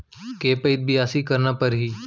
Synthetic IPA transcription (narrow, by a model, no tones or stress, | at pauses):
keːpɐɪt̪̚bijaːsikɐɾnapɐɾɦiː